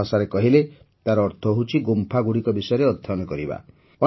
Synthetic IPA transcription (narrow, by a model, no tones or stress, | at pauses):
asaɾekɔɦile | t̪aɾɔːɾt̪ʰɔɦut͡ʃʰiɡompʰaɡuɽikɔbisɔjɔɾeɔd̪ʱːɔnɔkɔɾiba̰ | ɔ